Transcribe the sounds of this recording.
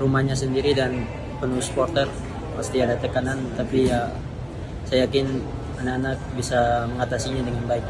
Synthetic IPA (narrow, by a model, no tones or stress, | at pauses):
rumahɲasəndiɾidan | pənuspɔrt̪ər | past̪iadat̪əkanant̪apia | sajakɪn | anakanak̚bisaməŋat̪asiɲadəŋanbaɪk̚